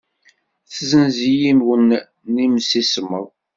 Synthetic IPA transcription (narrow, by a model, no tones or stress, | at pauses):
θzənzijinwənː | imsisəməʁˤ